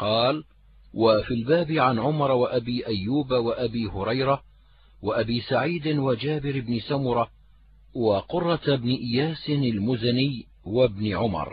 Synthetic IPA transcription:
qɑːl | wafilbaːbɪʕanʕʊmɑɾˤwaʔabiːʔajːuːbawaʔabiːhʊɾˤɑjɾa | waʔabiːsaʕiːd̪ɪwad͡ʒaːbɪɾɪbnɪsamʊɾˤɑ | waqʊrˤːɑbnɪʔɪjaːsɪnalmʊzanɪjː | wabnɪʕʊmɑ̰ɾˤ

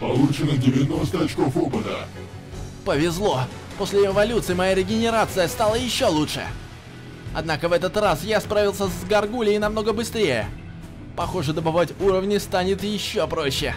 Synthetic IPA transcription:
pɐlˠut͡ɕɪnɨɣdʲɪvʲɪnost̪əɐt͡ɕkofopɨt̪ə̰ | pəvʲɪzlˠo̞ | po̞sʲlʲɪɪvɐlʲut̪sɨɪmɐjaɾʲɪɡʲɪnʲɪɾat̪sɨjəst̪alˠəjɪɕːo̞lˠutʂɨ̰ | ɐ̰d̪nakəvɛt̪ət̪rasjaspɾavʲɪlˠsʲəzɡɐrɡulʲɪɪnɐmno̞ɡəbɨst̪ɾʲejə̰ | pɐxoʐɨd̪əbɐvatʲuɾəvnʲɪst̪anʲɪt̪jɪɕːopɾo̞ɕːɪ̰

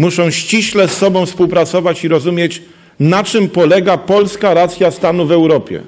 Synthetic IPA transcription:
muʂɔ̃w̃ɕt͡ɕiɕlɛsːɔbɔ̃fspuwpɾat̪sɔvat͡ɕiɾɔzumʲjet͡ɕ | nat͡ʂɘmpɔlɛɡapɔlskaɾat̪sʲjast̪anuvɛwɾɔpʲjɛ̰

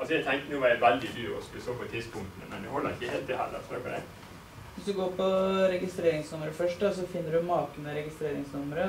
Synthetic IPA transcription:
ɑlsɔjɛɪt̪ʰɛŋt̪ənuːʋɑɾjæʋæld̪ɪd̪ʉːɔ̰skʉləsoːpʰɔɛt̪ʰispʊŋt̪nə̰mɛnd̪ɛhɔlːə̰ɾɪkːəhelt̪d̪ɪhæ̰ːɾd̪ɑ̰sɑ̰kɑd̪ɛ̰ | ʋɪsd̪ʉɡoːpʰɔɾɛɡɪst̪ɾeːɾɪŋsnʊməɾəfœʂʈd̪ɑs̬ɔfɪnːəɖʉmɑːkənəɾɛɡɪst̪ɾeːɾɪŋsnʊmːəɾə

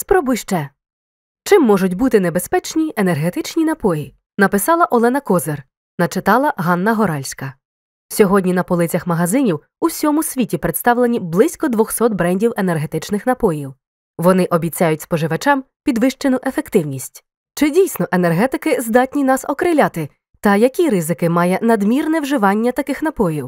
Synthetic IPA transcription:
spɾɔbʊjʃt͡ʃɛ | t͡ʃɪmːɔʒʊt̬̚ʲbut̪ɪnebe̞spɛt͡ʃnʲienerɦet̪ɪt͡ʃnʲinɐpɔji | nɐpɪsɑlˠɐʔɔlˠɛnɐkɔzer | nɐt͡ʃɪt̪ɑlˠɐɦɑnːɐɦɔɾɑlʲsʲkɐ | sʲɔɦɔdʲnʲinɐpɔlˠɪt͡sʲɐxmɐɦɐzɪnʲiw | usʲɔmʊsʲʋʲitʲipɾet̪st̪ɑwlˠe̞nʲiblˠɪsʲkɔd̪ʋɔxsɔt̪̚bɾɛnʲdʲiwenerɦet̪ɪt͡ʃnɪxnɐpɔjiw | ʋɔnɪʔɔbʲit͡sʲajʊtʲspɔʒɪʋɐt͡ʃɑm | pʲid̪ʋɪʃt͡ʃenʊʔe̞fe̞kt̪ɪwnʲisʲtʲ | t͡ʃɪdʲijsʲnɔʔe̞nerɦɛt̪ɪkɪzd̪ɑtʲnʲinɑsɔkɾɪlʲat̪ɪ | t̪ɐjɐkʲiɾɪzɪkɪmɑjɛnɐd̪mʲirnɛwʒɪʋɑnʲːɐt̪ɐkɪxn̪ɐpɔjiw

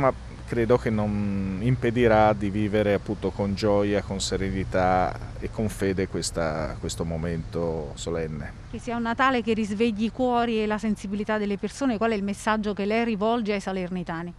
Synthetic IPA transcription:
ma | kɾeːd̪ok̟enːonimped̪iɾad̪iviːveɾeapːunt̪okond͡ʒɔjakonseɾenit̪aekːoɱfeːd̪ekwest̪a̰kwest̪omoment̪osolɛnːe | k̟esːiːaunːat̪aːlekerːizveʎːikwɔːɾielasensibilit̪ad̪ːelːepersoːnekwalɛilmesːad͡ʒːokelːɛjrivɔld͡ʒeajsalernit̪aːni

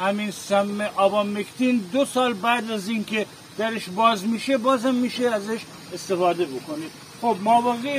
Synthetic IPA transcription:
hæminsæmːeʔɒːbɒːmekt̪ʰind̪osɒːlbæːd̪æziːnkʰe | d̪̥æɾeʃbɒːzmiːʃebɒːzhæmːiːʃeæzeʃ | est̪e̞fɒːd̪e̞bokonid̪ | xob̚mɒːbɒːɣe

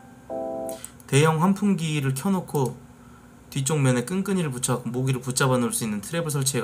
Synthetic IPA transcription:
te̞jʌŋɸwampʰuŋɡiɾɯɭkʰjʌnokʰo | tɥit͡ɕ͈oŋmjʌne̞k͈ɯnk͈ɯɲiɾɯɭput͡ɕʰakmoɡiɾɯɭput͡ɕ͈abanɯɭs͈uinːɯntʰɯɾe̞bɯɭsʰʌɭt͡ɕʰeɡa

